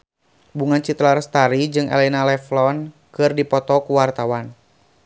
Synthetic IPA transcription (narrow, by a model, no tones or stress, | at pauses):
buŋant͡ʃit̪larst̪aɾid͡ʒɨŋʔɛ̰lɛnalɛflɔn | kɨrdipɔt̪ɔkuwart̪awan